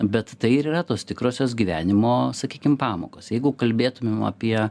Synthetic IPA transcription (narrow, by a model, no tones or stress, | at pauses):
bʲɛt̪t̪ɐɪɪɾiːrɐt̪oːst̪ʲɪkɾoːsʲoːsɡʲiːʋʲæːnʲɪmoːsɐkʲiːkʲɪmpɑːmo̰ːkoːsjɛɪɡʊkɐlʲbʲeːt̪ʊmʲemɐ̰pʲiɛ